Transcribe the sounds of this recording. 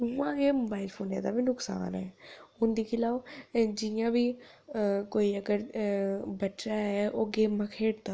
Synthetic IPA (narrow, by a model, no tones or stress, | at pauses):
uːãːɡeːmoːbaːɪlpʰoːnjã̰ːd̪a̰ːbinʊksa̰ːnɛːʊnd̪iːkɪlaːʋd͡ʒɪjãːbiː | koːiːəɡəɾ | bəʈːʃaːɦɛːʔoːɡeːmãːkʰeːɽd̪aː